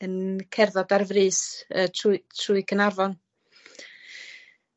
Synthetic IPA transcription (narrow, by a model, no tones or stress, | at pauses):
ənkʰɛrðɔdarvrɨːsətʰtʰruɨkʰənarvɔn